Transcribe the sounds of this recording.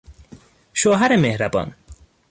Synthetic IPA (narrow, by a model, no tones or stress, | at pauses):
ʃoɦaɾemehɾabɒ̰ːn